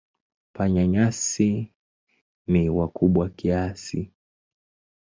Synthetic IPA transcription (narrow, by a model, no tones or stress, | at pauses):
paɲaɲasi | niwakuɓwakiasi